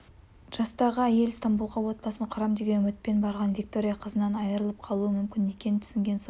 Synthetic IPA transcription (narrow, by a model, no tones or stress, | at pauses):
ʒ̥ɑst̪ɑʁəæje̞lst̪ambulˠʁɑwo̞t̪̚bɑsəɴqʰɑɾɑmd̪e̞ɡʲe̞nɵmɪt̪̚pe̞nbɑɾʁɑnvʲik̚t̪o̞ɾʲijɑqʰəzənɑnɑjəɾəlˠəp̚qʰɑlˠuəmʏmkʲɪne̞kʲe̞nɪnt̪ʰʏ̥sɪŋɡʲe̞ns